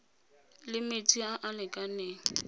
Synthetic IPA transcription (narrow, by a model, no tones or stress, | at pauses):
lɪmet͡sʼiaʔalɪkʼaneː